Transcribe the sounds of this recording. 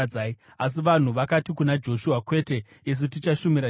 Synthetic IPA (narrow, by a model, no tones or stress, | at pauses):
ai | as̬iʋan̤uʋakatikunad͡ʒo̞ʃuakwe̞te̞ | es̬ut̬it͡ʃaʃumiɾa